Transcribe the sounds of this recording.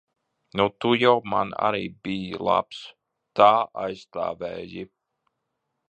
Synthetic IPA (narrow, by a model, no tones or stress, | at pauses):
nut̪ujawma̰na̰ɾiːbijlˠa̰ps | t̪aːajst̪a̰ːvɛːji